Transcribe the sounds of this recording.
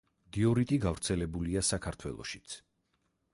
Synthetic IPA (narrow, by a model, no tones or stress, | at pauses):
d̪iɔɾit̪ʼiɡavɾt̪sʰɛlɛbuliasakʰaɾt̪ʰwɛ̰lˠɔ̰ʃi̥t̪sʰ